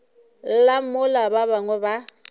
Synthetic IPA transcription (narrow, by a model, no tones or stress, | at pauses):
lammʊlabaβaŋwɛba